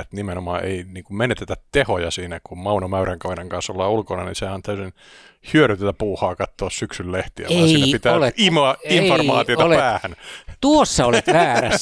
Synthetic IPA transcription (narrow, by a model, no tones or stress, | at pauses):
et̪nimenomɑ̰ːʔḛiniːŋkummenet̪et̪ætt̪ehojɑsiːnækummɑunomæyræŋkɑʋeneŋkɑnsolːɑːulkonɑnḭsehɑnt̪æysin | hyøɾyt̪et̪æpuːhɑːkɑt̪ːoɑssyksylleht̪iæ̰ːsiiæpit̪æoleimoɑimformɑːt̪ioɑlepæːhænt̪uosːɑoleʋæːɾæs